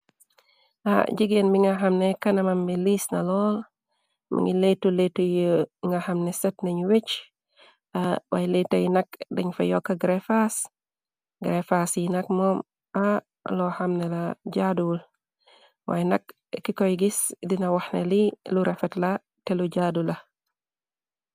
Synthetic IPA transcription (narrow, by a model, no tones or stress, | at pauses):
ʔa̰ɟiɡenbiŋaɦɐmnekɐnɐmambilisnɐlɔːl | mʔɐ̰ŋiletuletujəŋɡahɐmnesɛt̚nɐɲwet͡ʃ | awajletɐjinɐk̚dɐɲfɐjɔkːaɡɾefas | ɡɾefasjinɐk̚mɔːm | a | lɔhɐmnɛlaɟadul | wa̰ːjnɐk̚ | kːikojɡisdinɐwahnḛliluɾɛfɛtla | tɛluɟadulɐ